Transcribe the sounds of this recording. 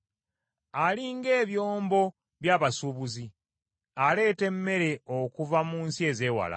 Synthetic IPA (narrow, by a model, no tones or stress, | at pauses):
aliŋɡe̞ːβjo̞ːmbo̞ | βjaːβasuβuzi | ale̞ːte̞mːe̞ɾe̞okuvamuːnsie̞ːze̞ːwa̰la̰